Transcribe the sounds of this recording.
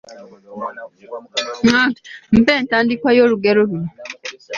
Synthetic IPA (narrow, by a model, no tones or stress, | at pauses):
ŋam̩pɛn̩tandikʷajoɾuɡɛɾoɾi